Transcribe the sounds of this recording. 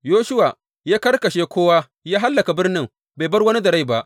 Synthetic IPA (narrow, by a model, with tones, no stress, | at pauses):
joː˦ʃʊ˦waː˨ | jaː˦kɐ˦rkɐ˨ʃeː˦kʷoː˦waː˦ | jaː˦ɦa˦lːɐ˨ka˨bɪ˦rnɪ˦ŋ | ba˨jbɐ˦rwɐ˦ni˦dɐ˨ɾa˦˨ba˦ʔ